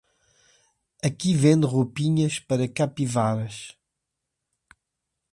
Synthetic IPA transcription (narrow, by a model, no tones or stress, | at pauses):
ɐkivẽnd̪ʁopiɲɐʃpɐɾɐkapivaɾɐʃ